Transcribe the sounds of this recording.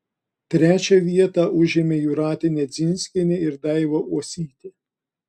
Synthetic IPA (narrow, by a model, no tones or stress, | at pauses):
t̪ʲɾʲæːt͡ʃʲɛʋʲiɛt̪ɑʔʊʒʲɪmʲejʊɾɑːt̪ʲɪnʲed̪zʲɪnʲsʲlʲɪnʲɪɪɾd̪ɐɪʋoʔuɔsʲiːt̪ʲɪ